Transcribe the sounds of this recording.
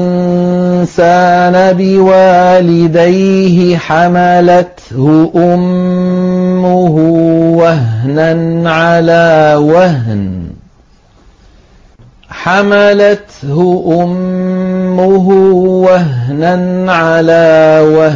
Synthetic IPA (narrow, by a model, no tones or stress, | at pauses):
nsaːnabɪwaːlɪd̪ajɦɪħamalat̪ | hʊʔʊmː | ʊɦʊwaɦnanʕalaːwahn | ħamalat̪hʊʔʊmː | ʊɦʊwaɦnanʕalaːwa